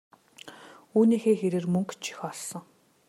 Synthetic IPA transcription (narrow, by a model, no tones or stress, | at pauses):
uːniːxeːxeɾeːrmɵŋkt͡ɕʰi̥xɔɮsɞ̆ŋ